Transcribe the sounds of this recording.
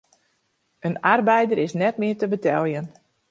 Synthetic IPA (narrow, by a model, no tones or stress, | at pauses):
ənarbɛjdəɾɪsnɛtmɪətəbətɛlˠjən